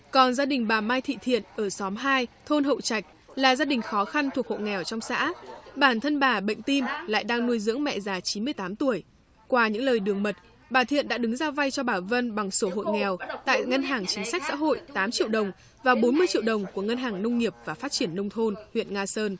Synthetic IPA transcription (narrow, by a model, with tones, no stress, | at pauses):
kɔ˨˩nzaː˧ɗï˨˩ŋ̟ɓaː˨˩maː˧jt̪ʰḭ˧˨t̪ʰḭ˧˨ənʔəː˧˩sɔ˨˦mɦaː˧jt̪ʰo˧nɦə̰˧˨wt͡ɕa˨˩jk̟̚ | laː˨˩zaː˧ɗï˨˩ŋ̟xɔ˨˦xa˧nt̪ʰu˨˩ək̚ho̰˧˨jŋɛ˨˩wt͡ɕɔ˧wŋ͡msa̰ː˧˥ɓaː˧˩nt̪ʰə˧nɓaː˨˩ɓə̰˧˨ŋ̟t̪i˧mla̰ː˧˨jɗaː˧ŋnu˧əjzɨ̰˧˥əŋmɛ̰˧˨zaː˨˩˦t͡ɕi˨˦nmɨ˧əjt̪aː˨˦mt̪u˧˩əj | kwaː˧ɲɨ̰˧˥ŋləː˨˩jɗɨ˨˩əŋmə˨˩t̚ | ɓaː˨˩t̪ʰḭ˧˨ənɗa̰ː˧˥ɗɨ˨˦ŋzaː˧va˧jt͡ɕɔ˧ɓaː˧˩və˧nɓa˨˩ŋso˧˩ɦo̰˧˨jŋɛ˨˩wt̪a̰ː˧˨jŋə˧nɦaː˨˩ŋt͡ɕï˨˦ŋ̟sa˦˥jk̚sa̰ː˧˥ɦo̰˧˨jt̪aː˨˦mt͡ɕḭ˧˨əwɗə˨˩wŋ͡m | vaː˨˩ɓo˨˦nmɨ˧əjt͡ɕḭ˧˨əwɗə˨˩wŋ͡mku˧˩əŋə˧nɦaː˨˩ŋnə˧wŋ͡mŋi˨˩əp̚vaː˨˩faː˦˥t̚t͡ɕi˧˩ənːə˧wŋ͡mt̪ʰo˧nhwḭ˧˨ənŋaː˧səː˧n